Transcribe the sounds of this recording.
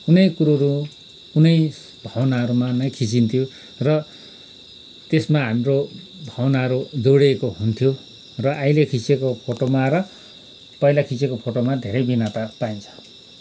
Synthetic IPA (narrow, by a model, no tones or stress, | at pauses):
unʌjkuɾoɾu | unʌj | bʱʌwʌnaʌɾumanʌjkʰit͡sint̪ʰijo | rʌ | t̪esmaɦamro | bʱʌwʌnaʌɾud͡zowɽekoɦunt̪ʰjo | rʌʔajlekʰisekopʰoʈomaɾʌ | pʌjlakʰit͡sekopʰoʈomad̪ʱeɾʌjbinat̪apaint͡sʰʌ̥